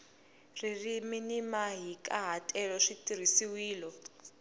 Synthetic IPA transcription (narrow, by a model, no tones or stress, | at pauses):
ririminimaɦikʼaɦatʼɛlɔʂitir̤isiwiːlɔ